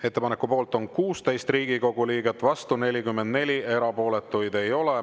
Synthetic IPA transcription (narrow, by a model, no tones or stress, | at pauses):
e̞t̪ːe̞pɑnekːˑupo̞ːlt̪ˑo̞nkuːst̪e̞jst̪riːɡiko̞ɡ̥uliːɡe̞t̪ːˑvɑst̪une̞lʲikymːend̪̥ne̞lʲie̞ɾɑpo̞ːle̞t̪ːˑujd̪e̞jo̞le